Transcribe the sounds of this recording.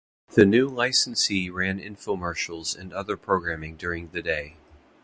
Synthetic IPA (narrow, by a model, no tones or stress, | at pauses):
ðɨnʉlaɪsn̩siɹæ̃nɪ̰̃ɱfoʊmɑɹʃl̩ˠzɨ̰̃nʌðə˞pʰɹ̥oʊɡɹæ̃mɪ̃ŋdʊɹɪ̃ŋðɨdeɪ